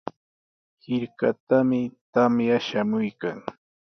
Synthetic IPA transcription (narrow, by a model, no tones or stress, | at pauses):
hɪɾkat̪amɪt̪amjaʃamʊjkaŋ